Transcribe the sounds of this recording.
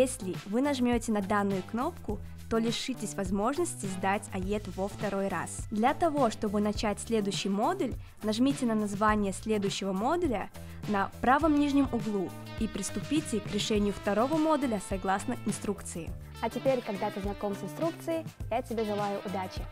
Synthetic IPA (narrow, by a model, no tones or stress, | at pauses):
jesʲlʲɪvɨnɐʐmʲotʲɪnɐd̪anːʊjʊkno̞pkʊ | t̪o̞lʲɪʂɨtʲɪsʲvɐzmo̞ʐnəsʲtʲɪzd̪atʲɐjʲet̪vəft̪ɐɾo̞jra̰sd̪lʲɐt̪ɐvo̞ʂt̪o̞bɨnɐt͡ɕætʲsʲlʲe̞d̪ʊjɕːɪjmo̞d̪ʊlʲ | nɐʐmʲitʲɪnənɐzvanʲɪjəsʲlʲe̞d̪ʊjɕːɪvəmo̞d̪ʊlʲə | nɐpɾavəmnʲiʐnʲɪmʊɡlˠu | ipɾʲɪst̪ʊpʲitʲɪkɾʲɪʂɛnʲɪjʊft̪ɐɾo̞vəmo̞d̪ʊlʲəsɐɡlˠasnəɪnst̪ɾukt̪sɨjɪ̰ | ɐtʲɪpʲeɾʲkɐɡd̪at̪ɨznɐko̞msɪnst̪ɾuk̚t̪sɨjɪjatʲɪbʲeʐɨlˠajʊʔʊd̪at͡ɕɪ